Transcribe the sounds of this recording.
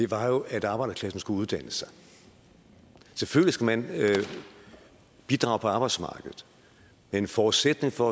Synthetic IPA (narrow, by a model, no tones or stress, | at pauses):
d̥e̝ʋɑ̈jo̝æd̥ɑ̈ːb̥ɑ̈ɪd̥ɐkʰlæsn̩sɡ̥uuðˠd̥æn̰əsɑ̈ɪ | sefølisɡ̥æmæn | b̥id̥ʁɑ̈ʊpʰɒɑ̈ːb̥ɑɪdsmɑ̰̈ːɡ̥əð̞̩ˠ | mee̝nfɒːdˠsed̥ne̝ŋfɒ̽